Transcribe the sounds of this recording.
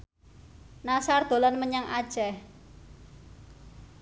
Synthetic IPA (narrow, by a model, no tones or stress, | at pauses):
nasard̪̥o̤lanməɲaŋʔad̥ʒ̥ɛh